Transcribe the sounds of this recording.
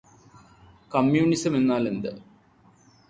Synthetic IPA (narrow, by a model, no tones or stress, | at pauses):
kɐmjuːɳisɐme̞nːaːle̞nd̪ɨ